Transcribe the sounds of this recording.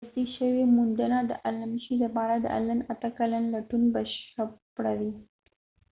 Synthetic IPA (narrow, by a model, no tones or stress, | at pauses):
d̪iʃəwemʊnd̪ənad̪ə̰ʔalamʃid̪apɑɾad̪ə̰ʔa̰lanat̪əkalanlaʈunbaʃapɽawi